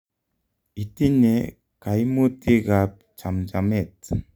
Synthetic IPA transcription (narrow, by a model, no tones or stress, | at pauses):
it̪iɲe | kajmut̪iɡap̚t͡ʃamd͡ʒamɛt̪̚